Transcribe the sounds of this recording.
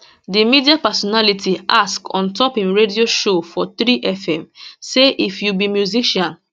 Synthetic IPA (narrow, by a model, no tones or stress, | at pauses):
dimidiapɛsɔnalitʰiʔaskɔ̰̃ntɔpĩnɹedioʃofɔt̪ɾiʔɛfɛ̃mseʔifjubimjuziʃãn